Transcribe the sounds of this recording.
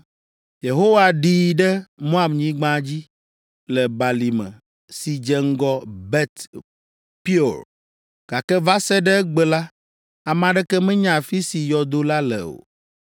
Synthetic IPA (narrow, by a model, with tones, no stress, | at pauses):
je˨ɦo˦wa˨ɖi˨ɖɛ˦mõ˦a˨mɲĩ˦ɡ͡bã˦d͡ʑi˦ | lɛ˨ba˨li˨mɛ̰̃˨ | si˨d͡ʒɛ˦ŋ̩˦ɡɔ˦bɛ˦t̪ | pi˦o˨ɾ | ɡ̥a˨kɛ˦va˦sɛ˦ɖɛ˦ɛ˦ɡ͡bɛ˨la˦ | a˨mã˨ɖɛ˦kɛ˦mɛ̃˦ɲã˨fi˦si˨jɔ˨d̪o˦la˦lɛ̰˨o̰˨